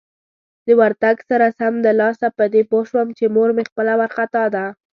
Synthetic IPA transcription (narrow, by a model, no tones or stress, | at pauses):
d̪əwaɾt̪aɡsaɾasamd̪əlɑsapəd̪epoʃwəmt͡ʃemoɾmexpəlawaɾxat̪ɑd̪a